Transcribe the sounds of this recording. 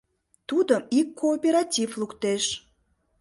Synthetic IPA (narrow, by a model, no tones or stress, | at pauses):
t̪ud̪əmikːoːpʲeɾatʲivlukt̪eʃ